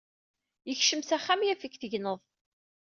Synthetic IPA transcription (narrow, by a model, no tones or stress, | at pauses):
jəçʃəmsæχːamjæfikθəʝnəðˤ